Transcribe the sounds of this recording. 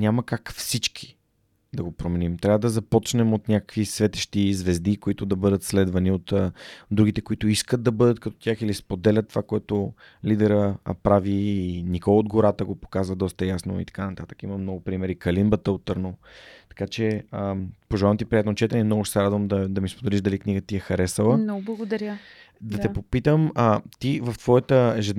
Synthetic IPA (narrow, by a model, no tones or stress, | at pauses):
nʲaməkakfsit͡ʃk̟ʰi̥ | d̪ɐɡopɾomɛnimt̪ɾʲavəd̪ɐzɐpɔt͡ʃnɛmot̪nʲakə̥kvisvɛt̪ɛ̥ʃt̪izvɛzd̪ikoit̪ʊd̪ɐbɤd̪ət̪slɛd̪vɐniot̪ːd̪ɾuɡ̟it̪ɛkoit̪oiskət̪̚d̪ɐbɤd̪ət̪̚kɐt̪ɔ̥t̪ʲjaxilispod̪ɛlʲət̪ːovakoɛt̪o | lid̪ɛɾə̰pɾaviːnikɔlˠod̪ɡoɾat̪əɡopo̥kazvəd̪ɔst̪əjasno̰ḭt̪ɐ̥kanɐt̪at̪ə̥kimɐmnɔɡʊpɾimɛɾikɐlimbət̪əot̪ːəɾnot̪ɐ̥kat͡ʃɛəpoʒɛlˠavnot̪ipɾijat̪not͡ʃɛt̪ɛnɛmnɔɡʊʃsɛɾad̪vəmd̪ɐd̪ɐmispod̪ɛliʃd̪ɐlikniɡət̪iɛxɐɾɛsəlˠənɡbˠɐɡod̪ɐɾjə | d̪ɐt̪ɛpopit̪əmət̪ivɐft̪v̥ɔjət̪əɛʒɛd̪n